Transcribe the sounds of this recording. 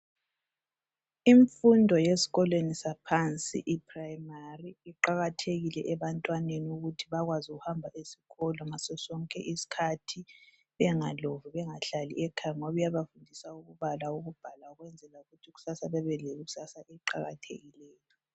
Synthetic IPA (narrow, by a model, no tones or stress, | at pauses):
iɱfundʱɔjesi̥ɣɔlwenisapʰant͡sʼḭʔipʰrajmariiǃaɣatʰeɣilɛʔɛβantʼwaneniuɣutʰiβaɣwazuɣuhambʱaʔesi̥ɣɔlɔŋasɛsɔŋkʼɛ̰ʔisi̥kʰatʰi | βɛŋalovuβɛŋaɬalḭɛkʰajŋɔβujaβafundʱisauɣuβalauɣub̥ʱalauɣwɛnd͡zʱɛlauɣutʰuɣu̥sasaβɛβɛleɣusasaʔɛǃaɣa̰tʰḛɣilɛːjɔ